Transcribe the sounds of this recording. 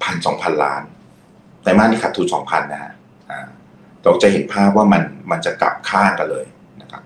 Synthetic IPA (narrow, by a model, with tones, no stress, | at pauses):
pʰa˧nsɔː˩˦ŋpʰa˧nla̰ː˦˥n | t̪aː˧jmaː˥˩niː˥˩kʰa˨˩t̪ʰːuː˦˥sɔː˩˦ŋpʰa˧nːa˦˩ha̰˦˥ʔ | ʔaː˨˩ | t̪ɔː˦˩˥t͡ɕa˨˩ɦe˨˩˦npʰaː˥˩p̚waː˥˩ma˧nma˧nt͡ɕa˨˩kla̰˨˩p̚kʰaː˥˩nka˧nlɤː˧j | na˦˥kʰa˦˥p̚